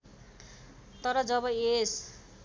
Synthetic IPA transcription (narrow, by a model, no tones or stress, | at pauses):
t̪ʌɾʌd͡zʌβʌes